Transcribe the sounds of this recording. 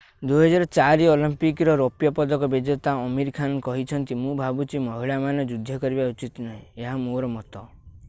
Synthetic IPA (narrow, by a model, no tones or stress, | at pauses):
d̪uɦɔd͡ʒaɾɔt͡ʃaɾiɔlimpikɾɔɾopjɔpɔd̪ɔkɔbed͡ʒɔt̪aɔmiɾkʰankɔɦit͡ʃʰɔnt̪imũbʱabut͡ʃimɔɦiɭamanɔd͡ʒud̪ʱːɔkɔɾibaut͡ʃit̪nɔɦĩeɦamoɾɔmɔt̪ɔ